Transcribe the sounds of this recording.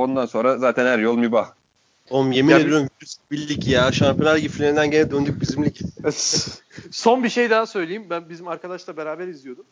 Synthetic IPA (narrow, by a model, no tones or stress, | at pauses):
o̞nd̪anso̞nɾazaːt̪ʰænhæɾjolˠmibax | omjemieyɾymviɾysibilʲːicjaʃampʰʲjonaɾɟiflʲeɾind̪ænɟenɛd̪ønd̪yc̚bizimlʲicid̪ | so̞nbiʃe̞jd̪aɦasø̞jlʲejimbænbizimaɾkad̪aʃlˠabeɾaːbæɾizijo̞d̪um